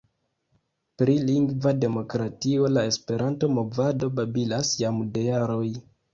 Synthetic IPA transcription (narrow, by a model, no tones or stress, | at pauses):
pɾiliŋɡvade̞mo̞kɾatio̞lae̞spe̞ɾʔanto̞mo̞vado̞babilasjamde̞jaɾo̞j